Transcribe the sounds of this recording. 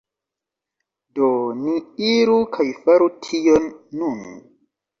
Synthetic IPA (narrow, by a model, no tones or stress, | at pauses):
doniiɾukʰajfaɾutʰijonːun